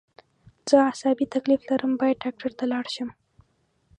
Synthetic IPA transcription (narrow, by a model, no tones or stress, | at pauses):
z̥əasɑbit̪akliflaɾəmbɑjad̪̚ɖɑk̚ʈaɾt̪alɑɽʃəm